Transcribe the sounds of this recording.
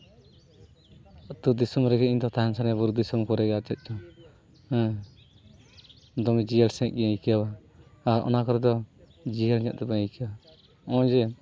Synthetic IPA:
t̪ud̪isumɾɛɡɛiɲd̪ɔt̪aɦɛnsanɛbuɾud̪isumkɔɾɛɡɛat͡ʃɛt̪̚t͡ʃɔ | hɛ̃ | d̪ɔmid͡ʒijalsɛ̃k̚ɡikiawaː | ɾɔ̰nakɔɾɛd̪ɔ | d͡ʒijalɲaʔ̪̚t̪ɛbaikiaa | ɔ̃d͡ʒɛ

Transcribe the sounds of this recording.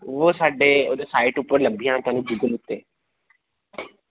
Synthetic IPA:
ʋoːsaːɖeo̰ːd̪esaːɪʈʊpːəɾləmbʱijãːt̪ʊɦaːnũbɪɡəlʊt̪ːeː

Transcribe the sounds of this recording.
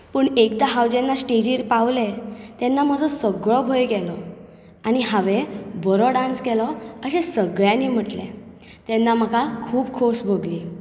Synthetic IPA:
pəːɳekd̪aɦawd͡ʑenːasʈed͡ʑiɾpaʋlet̪ɛnːam̤əd͡zɔsəɡɭɔbʱəjɡɛlɔ | aɽ̃iɦaʋebʱɔɾɔɖãnskɛlɔəɕesəɡɭjãnim̤əʈlḛ | t̪ɛnːaməɡakʰuːbkʰosbʱəɡliː

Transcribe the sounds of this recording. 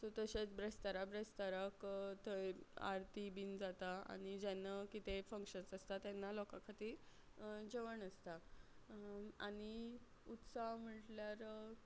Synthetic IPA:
t̪ot̪əɕet͡sbɾest̪əɾabɾest̪əɾəkt̪əa̰ɾt̪ibiːnd͡zat̪aa̰ɽ̃id͡ʑɛnːakit̪efəŋkʂənt͡səst̪at̪janːalɔkakʰat̪iːɾ | d͡ʑeʋəɳəst̪a | aɽ̃i | ut̪saɦm̤əʈljaɾ

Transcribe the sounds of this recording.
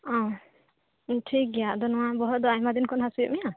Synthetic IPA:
ɔ̃ | ʈʰik̚jad̪ɔnɔwabɔɦɔt̪̚d̪ɔajmad̪inkʰɔnɦasujɔ̰ʔmija

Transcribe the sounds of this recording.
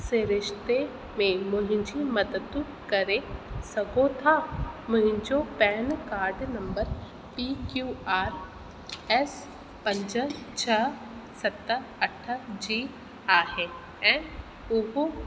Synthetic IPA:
seɾɪʃt̪e | mẽmʊɦɪ̃d͡ʒimɐd̪ət̪ːu | kɐɾẽsɐɡoːt̪ʰamʊɦɪ̃ɲt͡ʃopɛːnkaːɾɖnɐ̃mbəɾ | pikjuaːɾ | ɛs | pɐ̃ɲd͡ʒət͡ʃʰɐ | sɐt̪ːəɐʈʰːəd͡ʒiː | aːɦe | ɛ̃ː | uɦo

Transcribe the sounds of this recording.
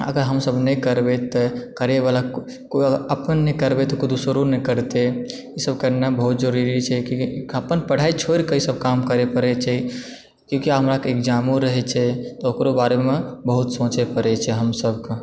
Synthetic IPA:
ə̰ɡəɾɦəmsəbnəkəɾbet̪ɔkəɾebala | koəpənːɛkəɾbet̪ɔkod̪usoɾunɛkəɾt̪e | isəbkenebəɦut̪̚d͡ʒəɾuɾit͡ʃʰɛkõkiəpənpəɽ̤ait͡ʃʰoɾkeisəb̚kamkəɾepəɾɛt͡ʃʰɛ | kjõkiaɦəmɾakeekd͡ʒamõɾəɦɛt͡ʃʰɛt̪ɔokɾobaɾemẽbəɦut̪sõt͡ʃepəɾɛt͡ʃʰɛɦəmsəbke

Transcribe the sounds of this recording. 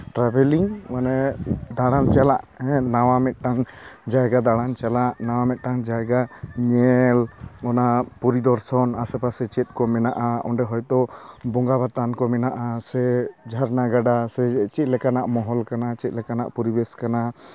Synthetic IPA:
ʈɾabɛliŋmanɛd̪aɽant͡ʃalaʔɦɛ̃nawamɛt̪̚ˀʈaŋd͡ʒajɡad̪aɽant͡ʃalaʔnawamɛt̪̚ʈaŋd͡ʒajɡaɲɛlɔnapuɾid̪ɔɾsɔnasɛpasɛt͡ʃɛt̪̚ˀkɔmɛnaʔaɔ̰ɳɖɛɦɔjt̪ɔbɔŋɡabat̪ankɔmɛnaʔasɛd͡ʒʱaɾnaɡaɖasɛt͡ʃɛt̪̚lɛkanaʔmɔɦɔlkanat͡ʃɛt̪̚ˀlɛkana̰ʔpɔɾibɛskana

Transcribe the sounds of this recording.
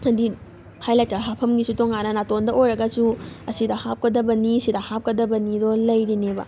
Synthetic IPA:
ɐdi | hajlak̚taɾɦapʰɐmɡisutoŋanɐnatondɐʔojɾɐɡɐsuɐsidɐhap̚kɐdɐbɐniɐsidɐhap̚kɐdɐbɐnidolɐjɾinebɐ̰

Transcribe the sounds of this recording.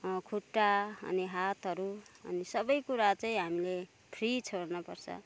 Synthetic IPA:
kʰuʈːaʌ̰niɦat̪ɦʌɾuʌ̰nisʌbʌjkuɾat͡saĩɦamile | pʰrit͡sʰoɾnʌpʌrt͡sʰʌ̰

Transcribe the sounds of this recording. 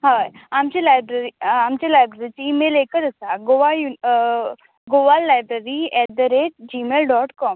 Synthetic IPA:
ɦajamt͡ɕilajbɾeɾiamt͡ɕelajbɾeɾit͡ɕiiːmeleːkəɾɐsaɡoʋaju | ɡoʋalːaːjbɾeɾiɛʈ̚d̪əɾeʈ̚d͡ʑiːmeːlɖɔːʈkɔːm

